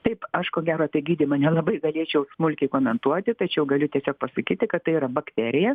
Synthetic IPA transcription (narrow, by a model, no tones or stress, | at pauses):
t̪ɐɪpɐʃkoːɡʲæːɾot̪ʲɐɛɡʲiːd̪ʲimɐnʲɛlˠɐbɐɪɡɐlʲiɛt͡ʃʲɛʊsmʊlʲkʲɛɪkoːmʲɛnt̪uɔt̪ʲɪt̪ɐt͡ʃʲɛʊɡɐlʲʊt̪ʲiɛsʲoːk̚pɐsɐkʲiːt̪ʲɪkɐt̪tɐɪiːɾɐbɐkt̪ʲæːɾʲɪjɛ